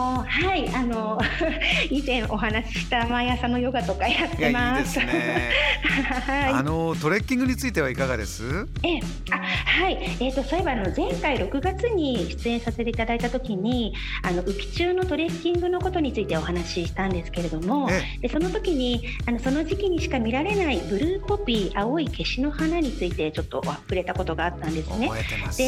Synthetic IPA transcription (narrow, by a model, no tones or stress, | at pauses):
haiʔano̞ | izẽ̞ɰ̃ʔo̞ɦanaɕi̥ɕi̥t̪amajasanːo̞jo̞ɡat̪o̞kajat̪ːe̞mas | haiianot̪o̞ɾekʲːĩŋɡɯ̟ɲ̟it͡sɨit̪e̞β̞aikaɡad̪e̞̰sɨ | e | ahaie̞ːt̪ːo̞soe̞baːno̞zẽ̞ŋkaiɾo̞kɯ̟ɡat͡sɨɲ̟iɕi̥t͡sɨẽ̞ɰ̃sase̞t̪e̞it̪ad̪ait̪at̪o̞kʲiɲ̟i | ano̞ʔɯ̟kʲi̥t͡ɕɨːno̞t̪o̞ɾe̞kʲːĩŋɡɯ̟no̞ko̞t̪o̞ɲ̟it͡sɨit̪e̞o̞hanaɕiɕi̥t̪ãnd̪e̞sɨ̥ke̞ɾe̞d̪o̞mo̞d̪e̞so̞no̞t̪o̞kʲiɲ̟i | ano̞so̞no̞ʑikʲiɲ̟iɕi̥kamʲiɾaɾe̞naibɯ̟ɾɯ̟ːho̞bʲiːʔao̞ike̞ɕino̞hanaɲ̟it͡sɨit̪e̞t͡ɕo̞t̪ːo̞̰apɯɾe̞t̪ako̞t̪o̞ɡaːt̪ːãnd̪e̞sɨne̞d̪̥e̞